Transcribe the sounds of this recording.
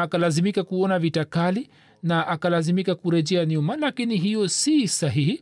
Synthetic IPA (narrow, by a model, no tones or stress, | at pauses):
akalazimikakuɔnavitakali | naʔakalazimikakuɾɛʄɛaniumalakiniɦijɔsisaɦihi